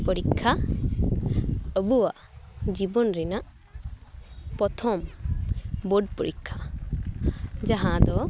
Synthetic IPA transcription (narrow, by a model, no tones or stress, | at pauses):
pəɾikʰːa | əbuwaʔd͡ʒibɔnɾɛnaʔ | pɔt̪ʰɔm | boɖpəɾikʰːa | d͡ʒaɦãd̪ɔ